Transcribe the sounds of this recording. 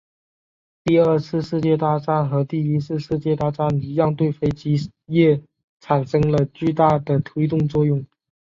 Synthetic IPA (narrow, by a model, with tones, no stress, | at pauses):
t̪i˥˧ə˞˥˧t͡sʰɹ̩˥˧ʂɻ̩˥˧t͡ɕjɛ˥˧t̪a˥˩ʈ͡ʂa˥nxɤ˧˥t̪i˥˩i˥t͡sʰɹ̩˥˧ʂɻ̩˥˧t͡ɕjɛ˥˧t̪a˥˩ʈ͡ʂa˥nly˧˥jɑ˥˧ŋt̪we˥˩ɪfe˥ɪt͡ɕi˧˥jɛ˥˩ | ʈ͡ʂʰa˨˩nʂɤ˥ŋlə˨˧t͡ɕy˥˧t̪a˥˩d̪ə˩t̪ʰwe˥ɪt̪ʊ˥˧ŋt͡swɔ˥˧jʊ˥˩ŋ